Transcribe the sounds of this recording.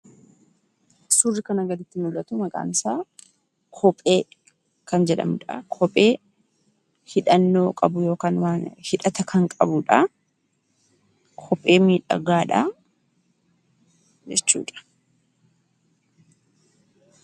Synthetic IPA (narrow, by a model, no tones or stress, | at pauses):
surːɪkɐnɐɡɐd̪ɪt̪ːɪnʊlːɐt̪ʊmɐɡʼa̰ːnɪsaː | kʰɔpʼːeː | kɐnd͡ʒɛᶑɐ̰mᶑa̰kʰɔpʼe̞ː | hɪᶑɐnːo̞ːkʼɐbʊjo̞ːkaːnwaːnhɪᶑɐt̪ɐkʰɐŋkʼɐbʊᶑa | kʰɔpʼːe̞ːmiːᶑɐ̰ɡaːᶑa | d͡ʒɛt͡ʃːṵːᶑɐ̥